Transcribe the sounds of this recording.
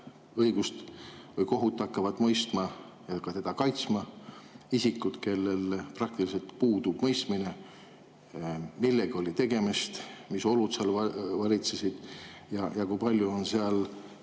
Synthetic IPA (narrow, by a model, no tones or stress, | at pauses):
ɤijɡ̥ust̪vɤjko̞ɦut̪ːˑɑkːˑɑvɑd̪mɤjst̪mɑ | jɑkɑt̪e̞d̪̥ɑkɑjt̪smɑ | isikːˑud̪̥ke̞lːe̞lprɑk̚t̪ilis̬e̞lt̪puːd̪ub̥mɤjst̪mine̞ | milːe̞ɡ̥io̞lʲit̪e̞ɡ̥e̞mist̪miso̞lut̪seɑlvɑlʲit̪se̞sid̪̥ | jɑjɑkujpɑlʲjuo̞nseɑl